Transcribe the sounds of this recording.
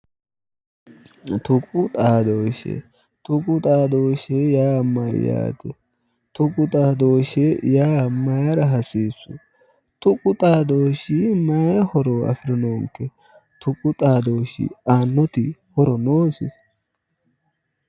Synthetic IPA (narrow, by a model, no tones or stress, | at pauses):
t̪ʊkʼʊt̪ʼaːd̪oːʃɛ̰ | t̪ʊkʼʊt̪ʼaːd̪oːʃɛjaːmɐj̰ja̰ːt̪ɛ | t̪ʊkʼʊt̪ʼaːd̪oːʃɛjaːmɐjɐɾɐɦɐsiːsːʊ | t̪ʊkʼʊt̪ʼaːd̪oːʃimɐjhɔɾoːɐ̰fɪɾɛnoːŋkːɛ | t̪ʊkʼʊt̪ʼaːd̪o̞ːʃḭaːnːɔt̪ɪhɔɾɔnoːsɪ